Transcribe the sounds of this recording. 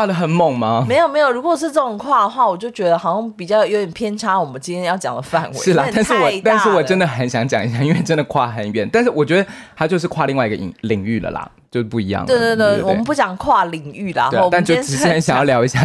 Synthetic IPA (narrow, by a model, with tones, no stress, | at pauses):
kwa˥˩d̪ə˩xə˨˩nmo˥˩ŋmɐ˨me˧˥ɪjo˨˩me˧˥ɪjo˨˩ʊɻu˧˥kɔ˨˩ʂɻ̩˥˧ʈ͡ʂɤə˥˩ʊ˨˩ŋkʰwa˥˩d̪ə˩xwa˥˩wɔ˨˩t͡ɕjo˥˩ʊt͡ɕɥɛ˧˥d̪ə˧xɑ˨˩ʊɕʊ˥˩ŋpi˨˩t͡ɕjɑ˥˩ʊjo˧˥ʊjɛ˨˩npʰjɛ˥nʈ͡ʂʰa˥wɔ˨˩mə˦nt͡ɕi˥nt̪ʰjɛ̃˥njɑ˥˩ʊt͡ɕjɑ̰˨˩ŋd̪ə˦fa˥˨˩nweʂɻ̩˥˩lɐ˨˩t̪a˥˧nʂɻ̩˥˩wɔ˨˩t̪a˥˧nʂɻ̩˥˩wɔ˨˩ʈ͡ʂə˦nd̪ə˨xə˧˥nɕjɑ˧˦˥ŋt͡ɕjɑ˨˩ŋi˧˥ɕja˥˧i˥nwe˥˩ɪʈ͡ʂə˦˥nd̪ə˩kʰwa̰˥˩xə˧˥nɥɛ̰˧˦nt̪a˥˧nʂɻ̩˥˩wɔ˨˩t͡ɕɥɛ˧˥d̪ə˧xa˧˥t͡ɕjo˥˧ʂɻ̩˥˧kʰwa˥˧li˥˧ŋwa˥˩i˧ɡə˨ḭ˨˩ŋli˨˩˦ŋy˥˩lə̰˩lɐ̰˨˩ | t͡ɕjo˥˧ʊʂ̩˥˩pu˥˩i˧˥jɑ̰˥˩ŋe˥˩t̪wɔ̰˨˥˩ə˨npu˥˩t͡ɕjɑ˨˩ŋkʰwa˥˩li˨˩ŋy˥˩lɐ̰˨˩t̪a˥˧nt͡ɕo˥ʊ˧˥ə˦nɕɑ˨˩ŋjljɑ˧˥ʊi˧˥ɕja˥˩